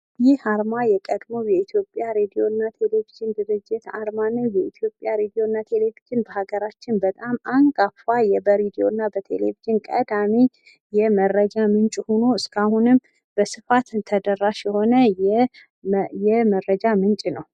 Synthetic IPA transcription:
jɪhaɾmajɛkʼəd̪mojɛit̪ʰjo̞pʼːjaɾed̪ijo̞nːat̪ʰe̞le̞viʒɪnd̪ɨɾɨd͡ʒːɪt̪a̰ɾmanːəwjɛit̪ʰjo̞pʼːjaɾed̪ijo̞nːat̪ʰe̞le̞viʒɪnbəhaɡəɾat͡ʃːɪnbət̪ʼamaŋkʼafajɛbəɾed̪io̞ɨnːabət̪ʰe̞̰lḛviʒɪnkʼə̰d̪ami | jɛmərːəd͡ʒamɨnt͡ʃʼhono̞ɨskʰahunɨm | b̥əsɨfat̪ɨt̪ʰəd̪ərːaʃjɛho̞nəɛ | jɛməɾːəd͡ʒamɨnt͡ʃʼnəw

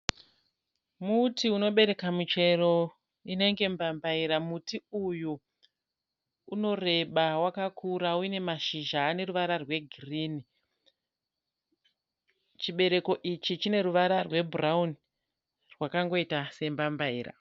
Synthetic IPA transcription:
mutiuno̞ɓe̞ɾe̞kamut͡ʃe̞ro̞ | ine̞ŋɡe̞mbambaiɾamutiuju | no̞re̞ɓawakakʰuɾauine̞maʃiʒaːne̞ruʋaɾarwe̞ɡʱirini | t͡ʃiɓe̞ɾe̞ko̞ʔit͡ʃit͡ʃine̞ɾuʋaɾarwe̞burauni | rwakaŋɡo̞itase̞mbambaiːra̰

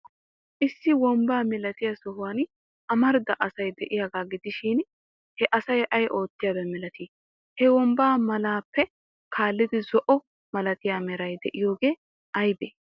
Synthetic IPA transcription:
ʔɪsːɪwɔmbaːmɛlɐt̪ɪjasɔɦʊwaːn | ɐmɐɾd̪ɐʔɐsɐjd̪ɛʔɪjaɡaːɡɪd̪ɪʃiːn | hɛʔɐsɐjʔɐjʔo̞ːt̪ːɪjɐbɛmɛlɐt̪iː | hɛwɔmbaːmɐlaːpːɛ | kʰaːlːɪd̪ɪzɔʔɔ | mɐlɐt̪ɪjaːmɛɾɐjd̪ɛ̰ʔɪjo̞ːɡe̞ː | ʔɐjbeː

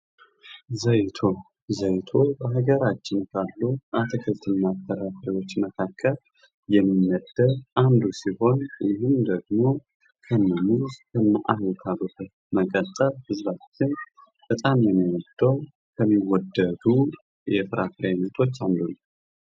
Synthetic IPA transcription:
zəjt̪ʰo | zəjt̪ʰo̞bəɦaɡəɾat͡ʃːɪnkʰalːuʔat̪ʰəkʰɨlt̪ʰɨnːatʰːəɾafɾiwo̞t͡ʃːməkʰakʰːəl | jɛmːɨnːəd̪ədʔand̪usiho̞njɪhɨmd̪əɡmo̞ | kʰəmːəmuzkʰəmaʔahlt̪ʰabɨtə | məkʼət̪ʼːəlhɨzβat͡ʃːɪn | b̥ət̪ʼamjɛmːiwɔd̪̥ːəw | kʰəmːiwɔd̪əd̪u | jɛfɨɾʔafɾenət̪ʰo̞t͡ʃːand̪un

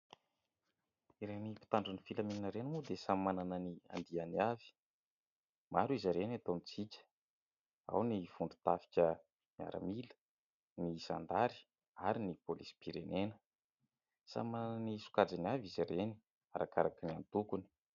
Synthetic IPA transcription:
iɾenipi̥t̪aɳɖ͡ʐanifilameninəɾenmud̪esamananənia̰nd̪ianiavi̥ | maɾuizaɾenat̪omit͡sikʲə̥ | a̰wniv̥uɳɖ͡ʐu̥t̪afi̥kʲə | nia̰ɾa̰milə̥ | niza̰nd̪aɾi̥ | aɾinipolisi̥piɾenenə̥ | sa̰manananisu̥kad͡zaniavizaɾeni̥ | a̰ɾʔa̰kaɾakinia̰nit̪ukuni̥

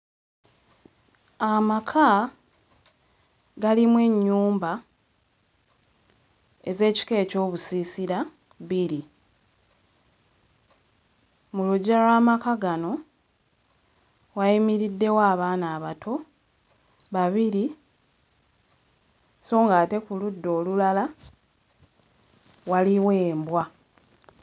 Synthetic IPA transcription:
amakʰa | ɡalimwe̞ɲːuːmba | eze̞ːci̥ke̞ːco̞ːβusisiɾa | βiɾi | muluɟalwaːmakaɡano̞ | waimiɾidːe̞waːβaːnaːβatʰo̞ | βaβiɾi | so̞ːŋɡaːte̞kuludːo̞ːlulala | waliwe̞ːmbwa

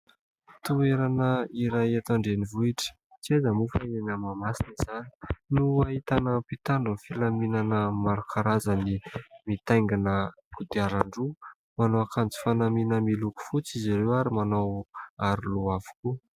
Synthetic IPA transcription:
t̪ueɾanəiɾajat̪aɳɖ͡ʐenivuiʈ͡ʂə̥ | t͡siezəmufanenəmamasiniz̥ani̥nuaɦit̪anəpit̪aɳɖ͡ʐunfilaminanəmaɾukʰaɾazənimit̪ajŋɡanə | kud̪iaɾaɳɖ͡ʐu | manoakant͡si̥fanaminəmiluku̥fut͡sizaɾewaɾimanowaɾuluavu̥ku

